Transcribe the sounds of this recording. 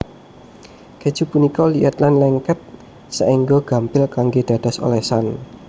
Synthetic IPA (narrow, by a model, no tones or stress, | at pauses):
ked̥ʒ̥ṳpunikɔliʔət̪lanlɛŋkɛt̪̚ | səʔiŋɡɔɡ̥a̤mpɪlkaŋɡed̪̥a̤d̥a̤so̰lɛsan